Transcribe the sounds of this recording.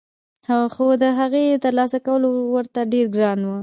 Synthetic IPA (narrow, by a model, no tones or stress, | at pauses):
haxod̪əɦaɣet̪əɾlɑsakawəlowəɾt̪aɖeɾɡɾɑnwə